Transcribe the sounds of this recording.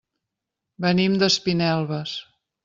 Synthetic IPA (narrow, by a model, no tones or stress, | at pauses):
bənimd̪əspinɛlˠβəs